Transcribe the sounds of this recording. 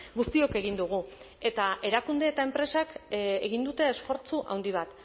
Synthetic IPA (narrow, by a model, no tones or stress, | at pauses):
ɡust̪io̞ke̞ɣ̞ind̪uɣ̞u | e̞t̪aʔe̞ɾakund̪e̞ːt̪ae̞mpɾe̞sakeɣind̪ut̪e̞ːsfo̞ɾt͡suʔa̰wnd̪iβ̞at̪